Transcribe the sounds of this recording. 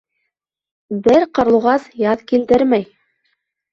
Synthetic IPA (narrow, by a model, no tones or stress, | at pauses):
bɘɾqɑ̆ɾlˠuʁɑsjɑðkild̪ɘɾmæj